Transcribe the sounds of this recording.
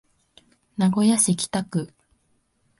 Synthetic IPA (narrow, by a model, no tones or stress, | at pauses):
naɡo̞jaɕikʲi̥t̪akɯ̟